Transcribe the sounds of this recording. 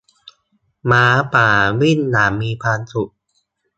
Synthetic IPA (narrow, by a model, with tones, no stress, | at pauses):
maː˨˦paː˨˩wi˥˩nːaː˩˦mːiː˧pʰaː˧nsu˨˩ʔ̚